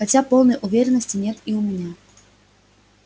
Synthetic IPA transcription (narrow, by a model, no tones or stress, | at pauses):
xat͡sʲapɔwˠnɐjʔuvʲeɾʲɛnɐsʲt͡sʲinʲɛt̪iwmʲɛnʲa